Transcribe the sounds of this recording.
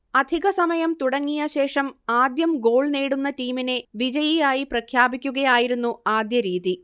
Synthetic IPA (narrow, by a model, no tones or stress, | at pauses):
ɐd̪ʱiɣɐsɐmɐjɐmt̪uɽɐŋːijɐɕe̞ːʂɐmaːd̪jɐmɡo̞ːɭneːɽunːɐʈiːmine̞ʋid͡ʑɐjijaːjiprɐkʰjaːbikʲːuɣɐjaːjiɾunːuaːd̪jɐɾiːði